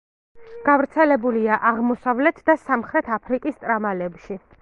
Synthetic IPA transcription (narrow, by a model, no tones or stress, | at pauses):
ɡ̥avɾt̪sʰɛlɛbuliaʔaʁmɔsavlɛt̪ʰd̪asamχɾɛt̪ʰapʰɾikʼist̪ʼɾamalɛbʃi